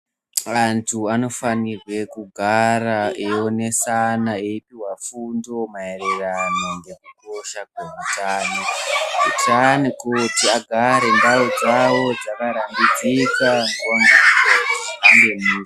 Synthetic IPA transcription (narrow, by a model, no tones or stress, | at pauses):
ʋantʰuano̞fanirwe̞kuɡʱaraeone̞sanaeipiɦwafundo̞mae̞reranoŋɡekuko̞ʃakweutaːnokutanikutiaɡʱaɾe̞ndaod͡zawo̞d͡zakaɾambid͡zikaŋkonɡa | ambeniːa